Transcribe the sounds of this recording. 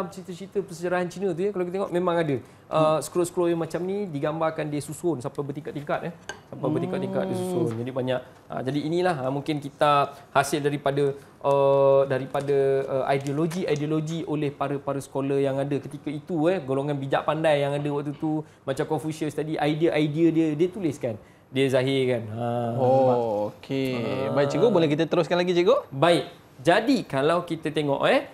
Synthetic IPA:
t͡ʃit̪ət͡ʃit̪əpəsəd͡ʒaɾaɦant͡ʃinə̃t̪̬ujəkalawkit̪eŋɔʔmẽmãŋadə | ʔəsə̥klosklojamat͡ʃamnidiɡambarkandiəsusonsampajbət̪iŋkat̪t̪iŋkat̪̚ɛhsampajbət̪ikat̪̚t̪iŋka̰t̪̚diəsusond͡ʒadibaɲaʔ̚ | a̰d͡ʒadiːnilahamũŋkɪnkit̪ahasɪldaɾipadə | ʔədaɾipadəəa̰jdioloɡiajdioloɡiolɛhpaɾəpaɾəsə̥kolajaŋadəkət̪ikəit̪uɛhɡoloŋãnbid͡ʒa̰ʔpandajːaŋadəwaʔt̪ut̪u | mat͡ʃamkɔfusiəst̪adiʔajdiəʔajdiədiədiət̪ulɪskan | diəzaɦɪrkanaookʰebaiʔt͡ʃəɡoʔbolɛkit̪ət̪əɾʊskanlaɡit͡ʃəɡoʔbaɪʔ̚ | d͡ʒadikalawkit̪ət̪eŋɔ̰ʔɛh

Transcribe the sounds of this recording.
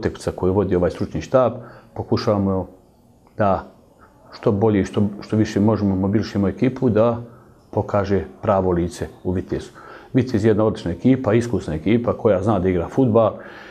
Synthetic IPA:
ot̪eku̥sako̞jeʋo̞d̪iːo̞ʋaːjst̪ɾut͡ʃniːʃt̪aːbpo̞kuʃaːʋaːmo | d̪a | ʃt̪o̞bo̞ʎeiʃt̪oʃt̪o̞ʋiʃemo̞ʒemomo̞bilˠʃimoe̞kiːpʰud̪a | po̞kʰaːʒepɾaːʋo̞liːt̪se̞uʋit̪ezu̥ʋit̪ezjed̪nao̞d̪lit͡ʃnaekiːpaiskusnae̞kiːpakʰo̞jaznaːd̪aiɡɾaːfud̪̚bal

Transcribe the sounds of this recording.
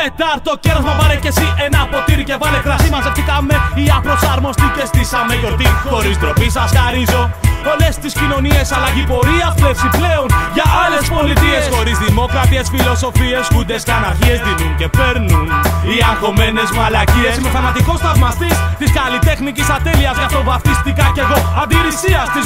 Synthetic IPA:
et̪ɐɾt̪o̞celɐzmɐvɐɾecesiʔenɐpo̞t̪iɾice̞vɐlekɾɐsimɐzeft̪ikɐmeiɐpɾo̞sɐɾmo̞st̪icest̪isɐmeto̞ɾt̪ixo̞ɾisd̪ɾo̞pisɐsxɐɾizo̞ole̞st̪iscino̞nie̞sɐlɐʝipo̞ɾiɐpvefsiple̞onʝɐʔɐlespolit̪iesssxo̞ɾizðimo̞kɾɐt̪iesfilo̞so̞fie̞skud̪esɐnɐɾçiezðinuŋcepeɾnuniɐŋxomenezmaɐlɐciesimefɐmɐt̪ikost̪ɐvmɐst̪ist̪iskalit̪exnicisɐt̪eliɐskɐt̪ovɐft̪ist̪ikɐceɣo̞ɐd̪iɾisiɐst̪iz

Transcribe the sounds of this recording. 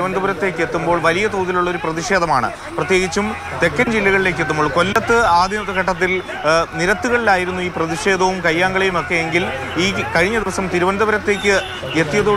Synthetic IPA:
uʋɐnd̪ʱɐbɐɾɐt̪ːe̞ːkːɨe̞t̪ːumbo̞ːɭʋɐlijɐt̪oːðiluɭːo̞ɾuprɐðiʂe̞ːd̪ɐmaːɳɨ̰ | prɐt̪je̞ːɣit͡ɕːum | t̪e̞kːɐnd͡ʑilːɐɣɐɭile̞ːk̬ːet̪ːumbo̞ːɭko̞lːɐt̪ːɨaːd̪ʱjɐnɐt̪ːɐkɐʈːɐt̪̬ːil | niɾɐt̪ːuɣɐɭilaːjiɾunːuiːprɐðiʂe̞ːd̪ɐʋumkɐjːaːŋɡɐɭejumo̞kːejeŋɡil | iːkɐɻiɲːɐd̪iʋɐsɐmt̪iɾuʋɐnd̪ʱɐbɐɾɐt̪ːe̞ːkʲːɨ | et̪ːijɐðu

